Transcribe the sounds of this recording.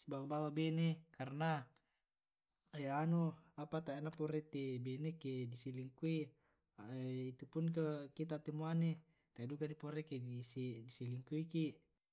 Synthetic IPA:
sibawabawabenekarna | januapat̪aenapoɾet̪ebenekedisiliŋkui | ait̪upunk̬akit̪̬at̪emuane | t̪aidukandipoɾekedisidisiliŋkuikiʔ

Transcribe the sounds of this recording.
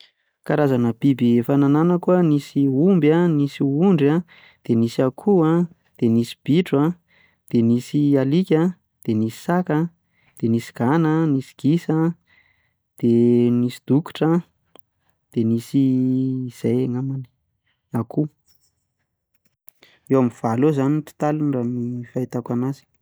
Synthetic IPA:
kaɾazanəb̥ibiefanananakuanisiumbanisiuɳɖ͡ʐa | d̪̥enisiakʰua | d̪̥enisi̥b̥iʈ͡ʂwa | d̪̥enisialikʲə | d̪̥enisi̥sakə | d̪̥enisi̥ɡ̥anənisi̥ɡ̥isə | d̪̥enisi̥d̪̥uku̥ʈ͡ʂa | d̪̥enisiː | z̥ejaŋamani̥ | akʰu | ewamiv̥alozanit̪i̥t̪alunɖ͡ʐanifait̪akanazi̥

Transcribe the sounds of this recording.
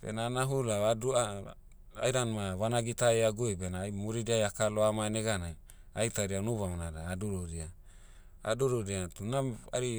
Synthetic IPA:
b̥ḛnanaɦulaadua | a̰jɾanmaβanaɡitaeaɡubenaːjmuɾidiajakaloamaneɡana | ajtaɾianuβamnaɾaːduɾoɾia | a̰duɾoɾiatunaa̰ɾi

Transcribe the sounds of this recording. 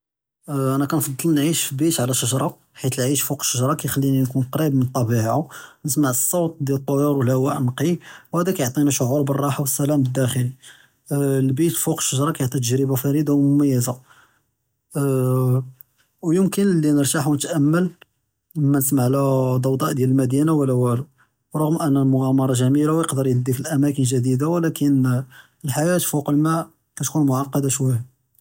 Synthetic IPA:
ʔænækænfɑd̪ˤːɑlnʕiʃfibit̪ʕlæʃəʒɾˤɑ | ħit̪əlʕiʃfuqə̥ʃːəʒɾˤɑkæjxælːininkunqɑɾˤibmənt̪ˤːɑbiʕʕanəsmaʕəsˤːɑwt̪̚ˤd̪jælət̪ˤːojɑɾwəlhwæʔnqiwhæd̪ækæjoʕt̪ˤiniʃʊʕuɾˤbərˤːɑħawəsːælæmbəd̪ːæxəli | lbit̪fuqə̥ʃːəʒɾˤɑkæjoʕt̪ˤit̪əʒɾəbafæɾid̪awmʊmæjːəza | wjəmkənlːinəɾt̪aħwnət̪ʔæmːəl | məmːænəs̬maʕlæd̪ˤɑwd̪ˤɑʔd̪jæləlmæd̪inawəlːæwælu | ɾˤɑɣəmʔænːælmʊɣæmɑɾˤɑʒæmilawjəqd̪əɾjəd̪ːikəlʔæmækənʒæd̪id̪awlækən | əlħajæt̪fuqəlmæ | kæt̪kunmʊʕɑqːɑd̪aʃwæja

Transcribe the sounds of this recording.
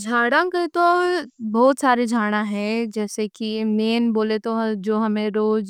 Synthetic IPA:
d͡ʒʱaːɽãket̪obɔːt̪saːɾed͡ʒʱaːɽ̃aɦɛ̃d͡ʒɛːsekineːnboːlet̪od͡ʒoːɦɐmẽɾoːd͡ʒ

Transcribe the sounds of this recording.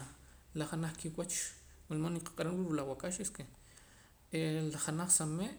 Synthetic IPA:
laχanaχkiwat͡ʃ | melmoniqḁqʼaɾanɾuɾulawakaʃeske | elaχanaχsameʔ

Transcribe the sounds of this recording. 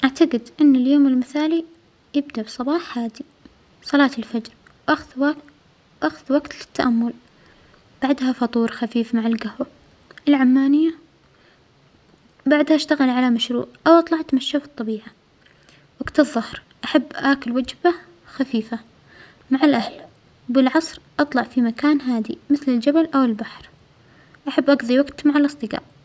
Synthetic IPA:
ʔaʕt̪aɡɪd̪ʔɪnːɪljoːmɪlmɪθaːli | jɪbd̪abɨsˤɑbɑːħħaːd̪i | sˤɑlɑːt̪ɪlfad͡ʒɾ | wʔaxðwa | wʔaxðwaɡt̪lɪ̥t̪ːaʔamːʊl | b̥aʕd̪hafɑt̪ˤuːɾxafiːfmaʕalɡahwa | ʔɪlʕamːaːnɪjːa | baʕd̪haʔaʃt̪aɣɪlʕalamaʃɾṵːʔʔawʔɑt̪ˤlɑʕat̪maʃːafɨt̪ˤːɑbiːʕa | waɡt̪ɨðˤːɑhɾ | ʔaħabːʔaːkʊlwad͡ʒba | xafiːfa | maʕalʔahl | bɪlʕɑsˤɾʔɑt̪ˤlɑʕfimakaːnɦaːd̪ḭmɪθlɪld͡ʒabalʔawɪlbaħɾ | ʔaħabːʔaɡðˤiwaɡt̪maʕalʔɨsˤd̪ˤɨɡa̰ːʔ

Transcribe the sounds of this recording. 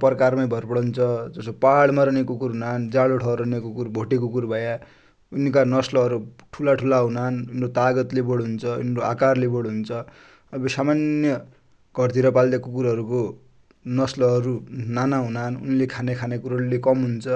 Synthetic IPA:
prkarmajbʱʌrpʌɽʌnt͡sʰʌd͡zʌsopaɽmaɾʌnekukuɾɦunand͡zaɭoʈʰʌɾʌnekukurbʱoʈekukurbʱʌja | unkanʌslʌɦʌɾuʈʰulaʈʰulaɦunanunrot̪aɡʌt̪lebʌɽɦunt͡sʰʌṵnɾoakarlebʌɽɦunt͡sʰʌ | ʌbʌsamanjʌ | ɡ̥ʱʌrt̪ʰiɾʌpald̪akukuɾɦʌɾuko | nʌslʌɦʌɾunanaɦunanṵnlekʰanekʰanekuɾaɾulekʌmɦunt͡sʰʌ

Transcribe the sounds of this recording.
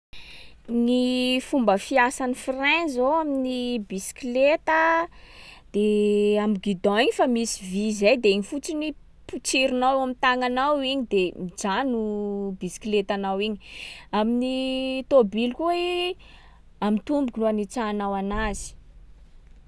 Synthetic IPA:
nifumbəfiasanifrɛ̃nzoaminibisi̥kilet̪ə | d̪̥eamiɡid̪ɔ̃iɲifamisi̥vizajd̪eiɲifut͡sini | put͡siɾunawewamint̪aŋanawiɲid̪emid͡zanubisi̥kilet̪anawiɲiaminit̪obilkue | amit̪umbukunuanit͡sanawanazi̥

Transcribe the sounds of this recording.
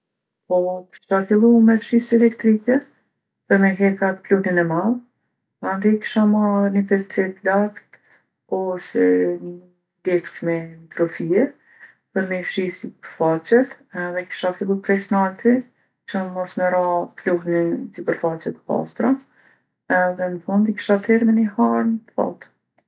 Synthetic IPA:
pɔki̥ʃafilˠumɛfʃisiɛlɛkt̪ɾikɛ | pəɾmɛɦɛkat̪pluhninɛmað | and̪iki̥ʃamanipɛt͡sɛt̪lakt̪ | ɔsɛ | d̪ɛt͡skmɛt̪ɾɔfiɛ | pəɾmɛfʃisipəɾfat͡ʃɛt̪ | ɛðɛki̥ʃafilˠupɾɛsnalt̪i | ki̥ʃanmɔsməɾapluhnisipəɾfat͡ʃɛt̪pa̰st̪ɾa | ɛðɛnəfund̪ki̥ʃat̪ɛɾmɛnihaɾnət̪fa̰t̪

